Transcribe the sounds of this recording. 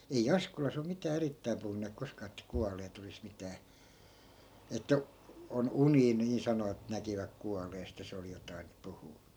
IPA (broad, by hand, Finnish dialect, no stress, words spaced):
ei ɑskolɑs om mitæː eritːæim puhunːeːk koskɑː etːæ kuɑleːt olis mitæː etːæ on uniː niː sɑnoʋɑt nækiʋæk kuɑleːst jɑ se oli jotɑin puhuː